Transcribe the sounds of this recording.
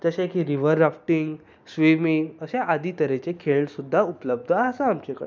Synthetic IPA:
d͡zəɕẽkiɾiʋəɾːafʈiŋɡ | sʋimiŋɡəɕẽʔad̪ʱiːt̪əɾet͡ɕekʰeɭsud̪ʱːaupləb̚d̪ʱaːsaamt͡ɕekə̰

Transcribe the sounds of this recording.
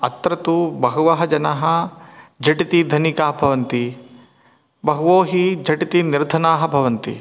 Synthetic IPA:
ɐt̪ɾɐt̪ubɐɦɐʋɐɦɐd͡ʒɐnɐɦɐd͡ʒɐʈit̪id̪ʱɐnikaːɦɐbʱɐʋɐnt̪i | bɐɦuʋoːɦid͡ʒɐʈit̪iniɾd̪ʱɐnaːɦɐ̆bʱɐʋɐnt̪ḭ

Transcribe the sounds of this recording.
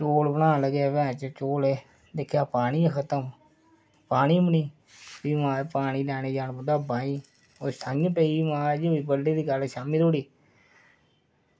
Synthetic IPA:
t͡ʃoːlbənaːnləɡaːʋɛ̃ːt͡ʃt͡ʃoːleː | d̪ekʰjaːpaːɽ̃iːãkʰət̪əm | paːniːməniː | biːʋãːpaːɽ̃iːlɛːɽ̃eːd͡ʒaːnbəd̪aːbãːĩː | oːsəŋɡpeːiːmãːd͡ʒoːiːbəlːiːd̪iːɡəlʃaːmiːɾoːɽiː

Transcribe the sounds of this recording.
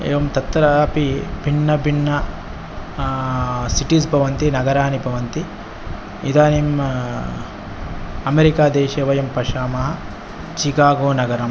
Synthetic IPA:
ḛːʋɐmt̪ɐt̪ːɐɾɐɐpibʱiɳːɐbʱiɳːɐ | siʈisbʱɐʋɐnt̪inɐɡɐɾaːnibʱɐʋɐnt̪i | id̪aːnim | ɐmeɾikaːd̪eːʃeːʋɐjɐmpɐʃaːmɐɦɐ | t͡ʃikaːɡoːnɐɡɐɾɐm

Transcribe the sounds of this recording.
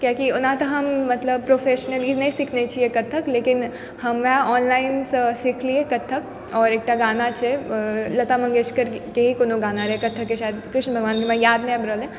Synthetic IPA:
kjaːkiʊnãt̪ɐɦɐmːɐt̪ləb̚pɾoːfʰeːʃnəliːznɐɦĩsɪkʰnet͡ʃʰiekɐt̪ʰːəkleːkɪn | hɐmʋɐɦɔːnlaːɪnssɪkʰliekɐt̪ʰːək̚ | ɔːɾeːk̚ʈaɡaːnat͡ʃʰelɐt̪amɐ̃ŋɡeːʃkəɾkeɦikoːnoɡaːnaɾɛɦkɐt̪ʰːəkːeʃaːjəd̪kɾɪʃnəbʱɐɡʋaːnkemãjaːd̪̚nẽɐbɾəːlẽ

